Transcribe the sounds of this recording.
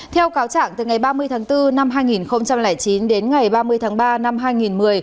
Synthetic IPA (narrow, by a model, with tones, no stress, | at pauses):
t̪ʰɛ˧wkaː˨˦wt͡ɕa̰ː˧˨ŋt̪ɨ˨˩ŋa˨˩jɓaː˧mɨ˧əjt̪ʰaː˨˦ŋt̪ɨ˧na˧mɦaː˧jŋi˨˩nxə˧wŋ͡mt͡ɕa˧mlɛː˧˩jt͡ɕi˨˦nɗe˨˦nŋa˨˩jɓaː˧mɨ˧əjt̪ʰaː˨˦ŋɓaː˧na˧mɦaː˧jŋi˨˩nmɨ˨˩əj